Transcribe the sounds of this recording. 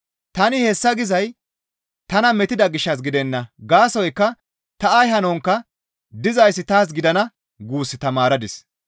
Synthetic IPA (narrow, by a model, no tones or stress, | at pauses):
t̪ɐnɪhɛsːɐɡɪzɐj | t̪ɐnɐmɛt̪ɪd̪ɐɡɪʃːɐs̬ɡɪd̪ɛnːɐɡaːsɔjkːɐ | t̪ɐɐjhɐnɔŋkːɐ | d̪ɪzɐjsːɪt̪aːs̬ɡɪd̪ɐnɐ | ɡuːsːɪt̪ɐmaːɾɐd̪ɪs